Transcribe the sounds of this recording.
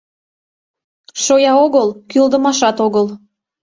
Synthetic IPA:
ʃojɑoɣəlkyld̪əmɑʃɑt̪oɣəl

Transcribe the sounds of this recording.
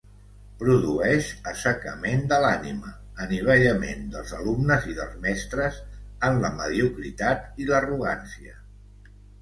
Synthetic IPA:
pɾuðuɛʃəsəkəmend̪əlaniməː | niβ̞ɛjəmḛnd̪ə̰lˠzəlumnəziðə̰lˠzmɛst̪ɾəzənləməðiukɾit̪at̪iləruɣ̞a̰nsiə

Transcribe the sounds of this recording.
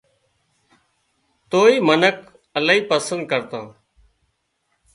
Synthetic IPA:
t̪oːiːmənək | əlaːiːpəsənd̪̚kəɾt̪aː

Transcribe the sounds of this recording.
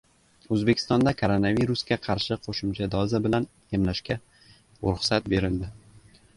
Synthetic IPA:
ɵzbe̞kʲʰɪ̥st̪ɒnd̪akʰoɾonaviɾuskʲaqʰɑɾʃɪqʰoʃɪmt͡ʃʰad̪ɒzabɪlan | jemlaʃkʲa | ʊɾʊχsat̪̚be̞ɾɪld̪ɪ

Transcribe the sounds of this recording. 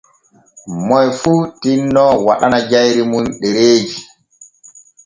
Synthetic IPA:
mɔjfuːtinːɔwa̰ɗanad͡ʒajɾimunɗɛɾeːd͡ʒi

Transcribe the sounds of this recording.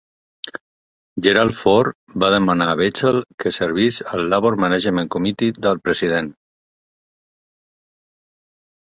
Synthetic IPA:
ʒəɾalˠfɔɾ | baðəmanaβet͡səlkəsəɾβisəlːaβoɾmənəʒəmeŋkomit̪iðəlˠpɾəziðen

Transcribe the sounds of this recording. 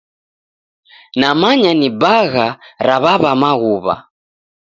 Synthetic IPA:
namaɲanibaɣaɾaβaβamaɣuβa̰

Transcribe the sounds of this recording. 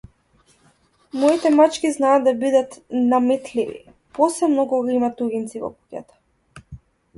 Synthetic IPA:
mɔit̪ɛmat͡ʃkʲiznaːd̪abid̪at̪namɛt̪livḭ | pɔsɛmnɔɡɔɡaimat̪uɡint̪sivɔ̰ku̥cʲa̰t̪ḁ

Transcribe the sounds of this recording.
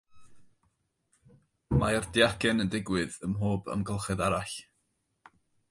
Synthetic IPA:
mardjakɛnəndɪɡwɨðəmɦoːbə̰mɡəlˠχɛðaɾaɬ

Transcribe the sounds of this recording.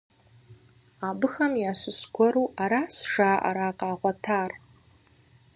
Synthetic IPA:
abɨxɐmjaːɕʷʊskʷɔɾuʔaɾasʂaːʔa̰ɾaːqʼaːʁʷatʰaːr

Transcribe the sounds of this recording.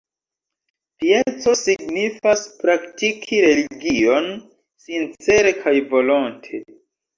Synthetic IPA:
pie̞t͡so̞siɡnifaspɾaktikʰiɾe̞liɡio̞n | sint͡se̞ɾe̞kʰajvo̞lo̞ntʰe̞

